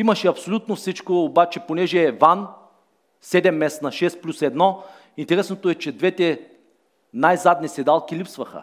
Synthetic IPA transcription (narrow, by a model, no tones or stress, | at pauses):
imɐʃɛɐpsolʲut̪nofsit͡ʃkoːbat͡ʃɛponɛʒɛvan | sɛd̪ɛmːɛsnɐʃɛst̪plʲusɛd̪nɔ | int̪ɛɾɛsnot̪oɛt͡ʃɛd̪vɛt̪ɛ | najzad̪nisɛd̪alˠkʲilipsvɐxə̰